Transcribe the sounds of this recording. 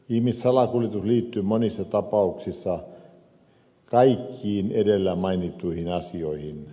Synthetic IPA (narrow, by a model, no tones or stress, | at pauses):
ihmissɑlɑkuljet̪usliːt̪ːyːmonisːɑt̪ɑpɑuksisːɑ | kɑikʰːiːnedelːæmɑinit̪ːˑuihinɑsioihin